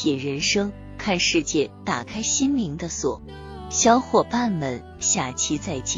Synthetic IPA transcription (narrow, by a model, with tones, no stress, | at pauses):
jɛ˨˩ɻə˧˥nʂɤ˥ŋ | kʰa˥˧nʂɻ̩˥˧t͡ɕjɛ˥˩t̪a˨˩kʰa˥ɪɕi˥nli˧˥ŋd̪ə˧swɔ˨˩˦ | ɕjɑ˥ʊxwɔ˥˩pa˥˩nmə˧˩n | ɕja˥˩t͡ɕʰi˧˥t͡sa˥˩ɪt͡ɕi˥˩